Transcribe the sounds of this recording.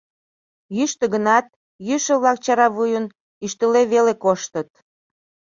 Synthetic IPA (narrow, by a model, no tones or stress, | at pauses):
jyʃt̪ə̆ɣənɑt̪ | jyʃə̆βlɑk̚t͡ɕɑɾɑβujən | yʃt̪əleβelekoʃt̪ət̪̚